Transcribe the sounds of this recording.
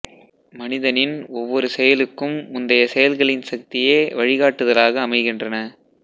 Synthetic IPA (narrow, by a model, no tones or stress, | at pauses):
mɐnɪðɐnɪnɔʋːɔɾɯsɛjɐlɯkːɯmːʊnd̪ɐjɐsɛjɐlɣɐɭɪnsɐk̚t̪ɪjeːʋɐɻɪɣaːʈːɯðɐlaːɣɐːmɐɪɣɪndrɐnɐ